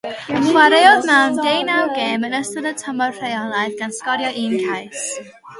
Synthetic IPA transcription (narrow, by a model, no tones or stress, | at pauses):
χwaɾejɔðmandejnawɡeːmənəsəðətʰəmɔr̥ejɔnajðɡ̥anskɔɾjɔʔinkʰajs